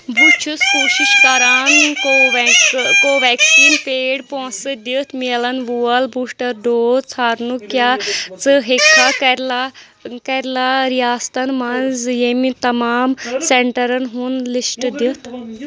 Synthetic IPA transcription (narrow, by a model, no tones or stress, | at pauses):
but͡ʃʰuskoːʃiʃkɐɾaːnkoʋkoːʋɛːksiːnpeːɽpõːsɨd̪it̪ʰmilɐnʋuːɐlbuːʂʈɐɾɖoːt͡sʰaːɾnukjaːt͡sɨɦekʰːaːkɐɾla | kɐɾʲlaːɾijaːst̪ɐnmɐnzjemit̪ɐmaːmseɳʈɐɾɐnɦunlisʈd̪it̪ʰ